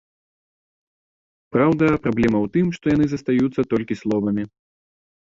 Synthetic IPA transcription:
pɾawd̪ɐpɾablʲɛmɐwt̪ɨmʂt̪ɔjanɨzɐst̪ajut̪sːɐt̪ɔlʲkʲislˠɔvɐmʲi

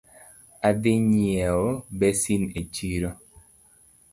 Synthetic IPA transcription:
ad̪ɪɲjɛobɛsinet͡ʃiɾo

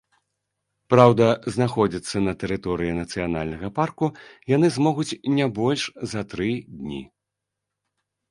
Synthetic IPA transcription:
pɾawd̪ɐznaxɔd͡zʲit̪sːɐnɐt̪ɛɾɨt̪ɔɾɨjinɐt̪sɨjana̰lʲnɐɣɐparkujanɨzmɔɣut͡sʲnʲabɔlʲʂzɐt̪ɾɨd̪ʲnʲḭ

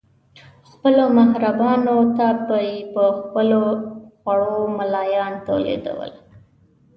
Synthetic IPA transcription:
xpəlomaɦɾabɑnot̪apəjipəxpəloxwaɽomalɑjɑnt̪o̰lḛd̪a̰wə̰l

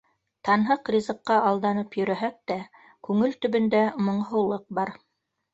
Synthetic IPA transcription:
t̪ɑnɦɤqrʲizɤ̆qːɑɑlˠd̪ɑnɤpjɵ̆ɾæɦæk̚t̪æ | kʉŋɘlt̪ɵ̆βɵ̆nd̪æmŏɴɦŭlˠɤq̚bɑɾ

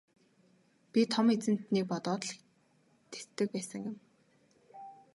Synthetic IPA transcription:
pʲit̪ʰɔmet͡sɘ̆n̥t̪niːk̚pɔt̪ɔːt̪ɮ̆ | t̪ʰe̥t̪ːɘ̆k̚pæːsə̆ŋjʊ̆m

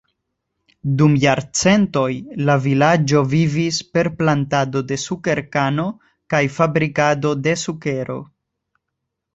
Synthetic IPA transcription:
dumjaɾt͡se̞nto̞jlavilad͡ʒo̞vivispe̞ɾplantado̞de̞suke̞ɾkano̞ | kajfabɾikado̞de̞suke̞ɾo̞̰

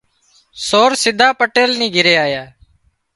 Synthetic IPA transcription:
soːɾsɪd̪ʱaːpəʈeːlniːɡʱɪɾeːaːjaː

